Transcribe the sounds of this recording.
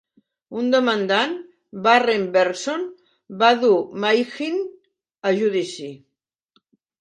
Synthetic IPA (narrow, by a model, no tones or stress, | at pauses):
und̪omand̪an | barembeɾson | baðumajxin | aʒuðisi